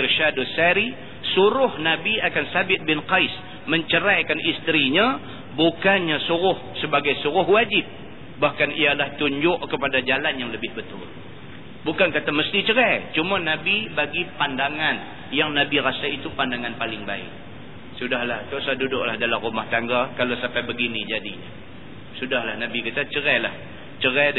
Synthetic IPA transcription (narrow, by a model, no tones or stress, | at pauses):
rʃadusaɾi | suɾʊhnabiakansabɪt̪̚bɪnqajs | məɲt͡ʃəɾajkanʔist̪ɾiɲa | bukanɲasuɾʊhsəbaɡajsuɾʊɦwad͡ʒɪp̚ | bahkanialaht̪uɲd͡ʒʊʔkəpadad͡ʒalanjaŋləbɪhbət̪ʊ̰l | bukankat̪aməst̪it͡ʃəɾɛt͡ʃumanabibaɡipandaŋan | jaŋnabiɾasait̪upandaŋanpalɪŋbaɪ̰k̚ | sudahlaht̪osadudʊʔ̚lahdalamrumaht̪aŋɡakalasampajbəɡinid͡ʒadiɲa̰ | sudahlahnabikit̪at͡ʃəɾɛlah | t͡ʃəɾɛ